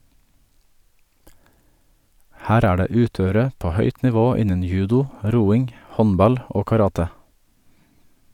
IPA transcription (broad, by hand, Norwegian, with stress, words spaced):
ˈhæːɾ ˈæː ˈɖeː ˈʉːˌtøːəɾə ˈpoː ˈhœʏt nɪˈʋoː ˈɪnən ˈjʉːdʊ ˈɾuːɪŋ ˈhɔnˌbɑl ˈoː kɑˈɾɑːtə